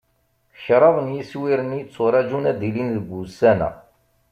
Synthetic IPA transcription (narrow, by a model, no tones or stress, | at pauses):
çɾˤɑðˤənjiswiɾənjit͡sːʊɾˤɑd͡ʒunæd̪ilinðɡusænæ̰